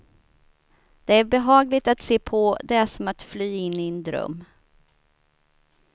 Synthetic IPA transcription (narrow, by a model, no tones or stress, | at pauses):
d̪̥ɛæɾbɛɦɑːɡlɪt̪at̪seːpʰɔd̪ɛæʂɔmat̪flyːɪnːɪɛnd̪ɾœ̰mː